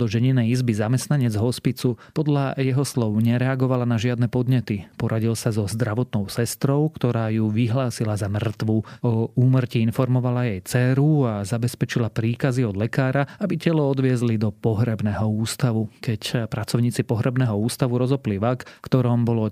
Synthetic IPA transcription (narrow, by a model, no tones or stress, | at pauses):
d̪ɔʒɛɲinɛjizbizamɛst̪naɲɛd͡zɦɔspit͡supɔd̪lajɛɦɔslɔʊɲɛɾɛaɡɔʋalanaʒɪad̪nɛpɔd̪ɲɛt̪ipɔɾʔaɟilsazɔzd̪ɾaʋɔt̪nɔʊsɛst̪ɾɔʊkt̪ɔɾaːjuʋiɦlaːsilazamr̩t̪ʋuɔuːmr̩ciinfɔɾmɔʋalajɛjt͡sɛːɾuazabɛspɛt͡ʃilapɾiːkaziɔd̪lɛkaːɾaabicɛlɔɔd̪ʋɪɛzlid̪ɔpɔɦɾɛbnɛɦɔuːst̪aʋukɛcpɾat͡sɔʊɲiːt͡sipɔɦɾɛbnɛɦɔuːst̪aʋuɾɔzɔpliʋakfkt̪ɔɾɔmbɔlɔ